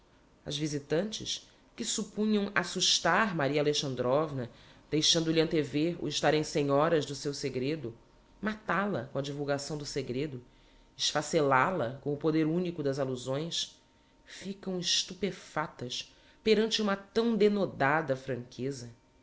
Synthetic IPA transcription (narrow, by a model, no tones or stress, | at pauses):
ɐ̰zvizit̪ɐ̃nt͡ʃɪ̰ʃ | kɪsupũɲɐ̃w̃asuʃt̪aɾmaɾiɐaleʃɐ̃nd̪ɾɔvnɐd̪̥ejʃɐ̃nd̪ʊliɐ̃nt̪eveɾṵɪʃt̪aɾẽj̃sẽɲɔɾɐzd̪ʊsewseɡɾed̪ʊ | mat̪alɐkõɐd͡ʒivuwɡasɐ̃w̃d̪ʊseɡɾed̪ʊ | ɪʃfaselalɐkõw̃ʊpod̪eɾũnikʊd̪ɐzaluzõj̃s | fikɐ̃w̃ɪʃt̪upefat̪ɐs | peɾɐ̃nt͡ʃɪũmɐt̪ɐ̃w̃d̪enod̪ad̪ɐfɾɐ̃ŋkʰezɐ